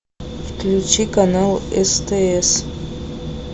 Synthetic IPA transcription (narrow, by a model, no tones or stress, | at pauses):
fkʲʰlʲut͡ʃʰikʼanalestʰees